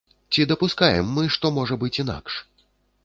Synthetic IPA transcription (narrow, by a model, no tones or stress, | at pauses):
t͡sʲid̪ɐpuskajɛ̰mːɨʂt̪ɔmɔʐɐbɨt͡sʲin̪a̰kʂ